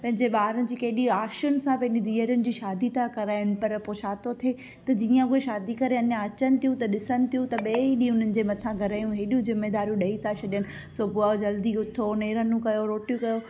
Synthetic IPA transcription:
pɐ̃ɦɪ̃ɲd͡ʑeɓaːɾənɪ̆d͡ʑiːkɐɦɪɗiaːʃʊnɪ̆sãpɐ̃ɦɪ̃ɲd͡ʑid̪iːəɾijʊnɪ̆d͡ʑiːʃaːd̪it̪ʰakɐɾaːɪnɪ̆pɐɾpoːt͡ɕʰaːt̪ot̪ʰe | t̪ɐd͡ʑiːə̃ɦueʃaːd̪ikɐɾeɐnjãɐt͡ɕənɪ̆t̪ʰijũt̪ɐɗɪsənɪ̆t̪ʰijũt̪ɐɓeːiɗĩɦʊn̤ənɪ̆d͡ʑeːmɐt̪ʰãɡʱɐɾaːjũɦeːɗijũzɪmːed̪aːɾjũɗɐit̪ʰat͡ɕʰɐɗijənɪ̆ | soːbʊad͡ʑɐld̪iʊt̪ʰoneːɾənũkɐjoɾoːʈjũkɐjo

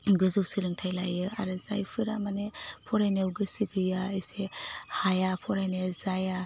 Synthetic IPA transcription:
ɡɯzɯwsɯɾɯŋtʰajlajɯa̰ɾɯzajpʰɯɾamanepʰɔɾajnewɡɯsɯɡɯjaesehajapʰɔɾajnezaja

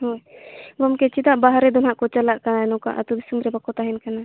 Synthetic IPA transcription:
ɦojbɔmkɛt͡ʃʰit̪aʔbaɦaɾɛd̪ɔnɦaʔkɔt͡ʃalaʔkanɛnɔka̰ʔat̪ub̪isumɾɛbakɔt̪aɦɛnkana

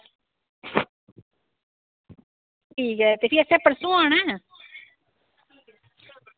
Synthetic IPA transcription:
ʈʰiːkɦɛːt̪eːpʰiɛːsɛːpəɾsũːaːɳ̃ɛː

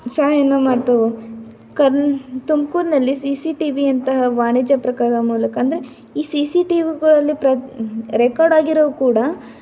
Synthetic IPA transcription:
saːɦɐjɐnːɐmaːɖt̪ɐʋu | kɐɾt̪umkuːɾnɐlːisisiʈiʋiɐnt̪ɐɦɐʋaːɳid͡ʒɐpɾɐkaːɾɐmuːlɐkɐːnd̪ɐɾe | iːsisiʈiʋiɡɐɭɐlːipɾɐɾekaːɾɖaːɡiɾɐʋukuːɽɐ

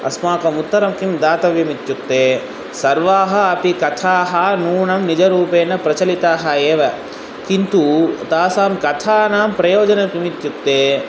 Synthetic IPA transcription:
ɐ̰smaːkɐmut̪ːɐɾɐmkimd̪aːt̪ɐʋjɐmit̪jukt̪ːeː | sɐɾʋaːɦɐɐpikɐt̪ʰaːɦɐnuːɳɐmnid͡ʒɐɾuːpeːnːɐpɾɐt͡ʃɐlit̪aːɦɐeːʋɐ | kint̪ut̪aːsaːmkɐt̪ʰaːnaːmpɾɐjoːd͡ʒɐnɐkimit̪jukt̪eː

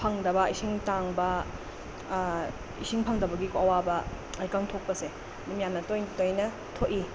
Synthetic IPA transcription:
pʰɐŋdɐbɐɐjsiŋtaŋbɐ | isiŋpʰɐŋdɐbɐɡikoɐwabɐ | ɐjkaŋtʰok̚pɐse | numjamnɐtojtojnɐ | tʰoʔi

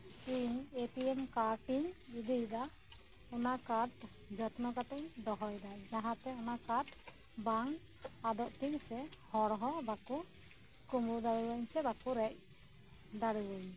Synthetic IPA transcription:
iɲeʈiemkaɾʈiɲid̪ijd̪a | ɔnakaɾʈ | d͡ʒət̪nɔkat̪ɛɲd̪ɔɦɔjd̪ad͡ʒaɦãt̪ɛɔnakaɾʈ | baŋ | ad̪ɔʔt̪iŋsɛhɔɾɦɔbaku | kumud̪aɾuwaɲsɛbakuɾɛc̚ | d̪aɽuwaɲ

